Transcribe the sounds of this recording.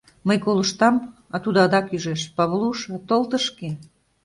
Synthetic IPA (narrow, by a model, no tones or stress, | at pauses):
məjkoləʃt̪ɑm | ɑt̪ud̪ɑd̪ɑkyʒeʃpɑβlˠuʃɑt̪olˠt̪əʃke